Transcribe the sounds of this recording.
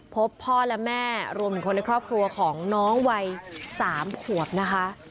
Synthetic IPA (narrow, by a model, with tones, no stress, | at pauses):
pʰo˦˥pʰːɔː˥˩lɛ˦˥mɛː˥˩ɾu˧mt̪ʰɯ˩˦kʰo˧nː˧jkʰɾɔː˥˩p̚kʰɾu˧ɐkʰɔː˩˦ŋnɔː˦˥ŋwa˧jsaː˩˦mkʰu˨˩əp̚na˦˥kʰa˦˥ʔ